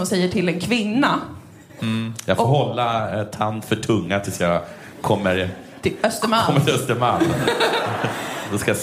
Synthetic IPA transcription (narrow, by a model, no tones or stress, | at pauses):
ɔmsɛjːəʈʰɪlːɛnkʰvɪnːa | jɑːɡfoːɦɔlːat̪ʰand̪fœʈʰɵŋːat̪ʰɪlsjaɡ | kʰɔmːəɾʰ | œst̪əmaɔmːət̪ɪœst̪əmaɾ | dɔskaja